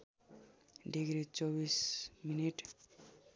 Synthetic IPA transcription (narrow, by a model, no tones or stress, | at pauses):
ɖiɡɾit͡sobisminiʈ